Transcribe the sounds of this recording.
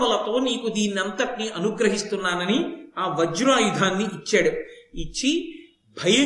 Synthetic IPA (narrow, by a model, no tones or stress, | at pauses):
ɐlɐt̪o̞ːniːkud̪iːnɐnt̪ɐʈniʔɐnuɡɾɐɦist̪unːaːnɐniaːʋɐd͡ʒuɾaːjud̪ʱaːnːiʔit͡ʃːaːɽuit͡ʃːi | bʱɐjɐ